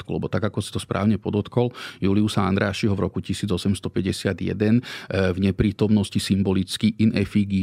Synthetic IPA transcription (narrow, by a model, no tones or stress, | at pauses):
t̪kulɛ̰bɔt̪aɡakɔsi̥t̪ɔspɾa̰ːʊɲɛpɔd̪ɔt̪kɔljuːliusaa̰nd̪ɾaːʃiɦɔvɾɔkucisiːd͡zɔsɛmst̪ɔpɛɟɛsɪad̪jɛ̰d̪ɛnvɲɛpɾiːt̪ɔmnɔscisimbɔlit͡skiʔinɛfiɡi